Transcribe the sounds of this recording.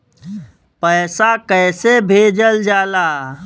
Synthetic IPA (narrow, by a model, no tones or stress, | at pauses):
pəːsakəːsebʱeːd͡ʒəld͡ʒaːlaː